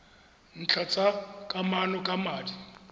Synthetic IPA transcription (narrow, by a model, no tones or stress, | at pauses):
n̩t͡ɬʰat͡sʼakʼamanɔkʼamaːdi